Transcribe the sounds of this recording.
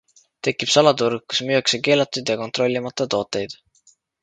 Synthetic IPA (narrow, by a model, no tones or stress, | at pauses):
t̪e̞kːˑipsɑlɑt̪uɾɡusmyekseke̞ːlɑt̪ːˑud̪̥jɑko̞nt̪ro̞lʲːimɑt̪ːˑɑt̪o̞ːt̪ːˑe̞jd̪̥